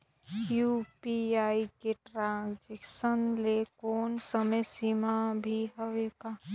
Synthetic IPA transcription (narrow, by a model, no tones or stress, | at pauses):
juːpiaːikeʈɾãd͡ʒekʃənlekɔːnsəməjsimabʱiɦoʋeɡa